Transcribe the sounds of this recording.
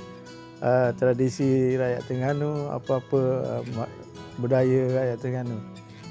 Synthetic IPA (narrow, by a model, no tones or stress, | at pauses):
ʔət̪ɾadisiɾajaʔt̪əŋanua̰pəapəə̰m | budajəɾajaʔt̪əŋanu